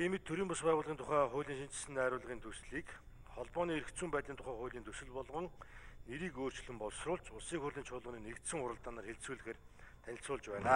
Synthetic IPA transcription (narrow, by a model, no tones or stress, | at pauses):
emɘ̆t̪ʰːɵɾiːmpʊspæːʁʊːɮʁiːnt̪ʰʊχæːχʊːɮʲiːŋʃint͡ɕɪ̆sɘ̆nt̪ːæːɾʊːɮ̆ʁiːnt̪ʰɵsɮiːk | χɔɮpɔːniːeɾɘ̆kt̪t͡suːmpæːt̪ɮʲiːnt̪ʰʊ̥χæːχʊːɮiːnt̪ʰɵsɘ̆ɮpɔɮʁɞ̆ŋneɾiːkoːr̥t͡ɕ̆ɮɘ̆mpɔɮsrʊːɮt͡ɕʊsiːkxʊrɮʲiːnt͡ɕʰʊːɮə̆niːnekt̪sɘ̆ŋʊɾə̆ɮt̪aːnaːrxeɮsuːɮɘ̆xeːrt̪ʰænʲɪ̆ɬsʊːɮt͡ɕpæːnaː